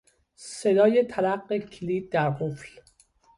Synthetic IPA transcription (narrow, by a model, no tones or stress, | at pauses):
se̞d̪ɒːjet̪ʰælæqːecʰeliːd̪̚d̪æɾɣufl